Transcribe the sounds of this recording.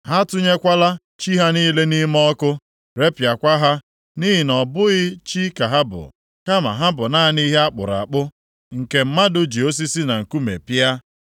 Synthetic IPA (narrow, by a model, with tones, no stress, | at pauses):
ha˦tʊ˦ɲe˦kʷa˦la˦ | t͡ʃi˦ɦa˦niː˦le˦ni˦m˦ɔ˦kʊ˦ | ɾe˦pja˨kʷa˦ɦa˦ | ni˦ɦi˨nɔ˨bʊ˦ɣɪ˦t͡ʃi˦ka˨ɦa˦bʊ̰˨ | ka˦ma̰˨ɦa˦bʊ˨na˦a˦ni˦ɦe˦a˦k͡pʊ̰˨ɾa̰˨k͡pʊ˦ | ŋ̩˨ke˨m̩˦ma˦dʊ˦d͡ʒi˨o˦s̬i˦si˦na˨ŋ̩˨ku˦mḛ˨pi˦a˦